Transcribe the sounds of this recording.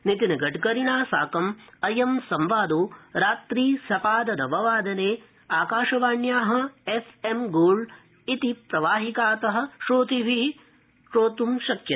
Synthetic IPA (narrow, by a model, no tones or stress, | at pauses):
nit̪inɐɡɐʈɡɐɾiɳaːsaːkɐmɐjɐmsɐmʋaːd̪oːɾaːt̪ɾiːsɐpaːd̪ɐnɐʋɐʋaːd̪ɐneː | aːkaːʃɐʋaːɳjaːɦɐ̆esemɡoːɭ | it̪ipɾɐʋaːɦikaːt̪ɐɦɐ̆ʃoːt̪iʋi | ʃɾoːt̪umʃɐkʃɐ